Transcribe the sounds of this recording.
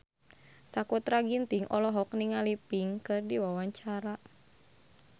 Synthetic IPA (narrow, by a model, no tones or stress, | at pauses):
sakut̪ɾaɡint̪iŋʔɔlɔɦɔkniŋalipiŋkɨrdiwawaɲt͡ʃaɾa